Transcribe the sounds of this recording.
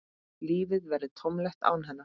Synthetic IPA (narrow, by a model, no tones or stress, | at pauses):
liːvɪðvɛɾðɪt̪ʰɔmlɛxt̪a̰ːwnɦɛnːa